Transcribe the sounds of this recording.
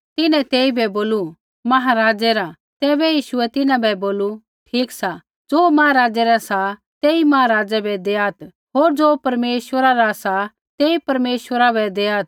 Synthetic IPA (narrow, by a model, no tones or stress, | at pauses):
t̪ɪnɛ̃t̪eːibɛboːlu | mɐɦaɾaːd͡ʒɛɾa | t̪ɛːbɛjiːʃuɛt̪ɪnãbɛboːlu | ʈʰiːksa | d͡zoːmɐɦaɾaːd͡ʒɛɾasa | t̪eːimɐɦaɾaːd͡ʒɛbɛd̪eːaːt̪ | ɦoːɾd͡zoːpɐɾmeːʃʋəɾaɾasa | t̪eːipɐɾmeːʃʋəɾabɛd̪eːaːt̪